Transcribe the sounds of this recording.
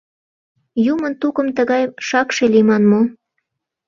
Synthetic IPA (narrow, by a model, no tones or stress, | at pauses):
jumənt̪ukə̆mt̪əɣɑjʃɑkʃelimɑnmo